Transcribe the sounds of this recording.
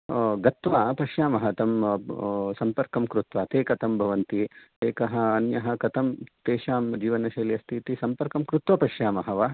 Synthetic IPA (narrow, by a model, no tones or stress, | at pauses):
ɡɐt̪ʋaːpɐʃjaːmɐɦɐt̪ɐm | sɐmpɐɾkɐmkɾut̪ʋaːt̪eːkɐt̪ɐmbʱɐʋɐnt̪it̪eːkɐɦɐ̆ːnjɐɦɐ̆kɐt̪ɐmt̪eːʃaːmd͡ʒiːʋɐnɐʃɐːljɐst̪ʰit̪isɐmpɐɾkɐmkɾut̪ʋɐpɐʃjaːmɐɦɐʋɐ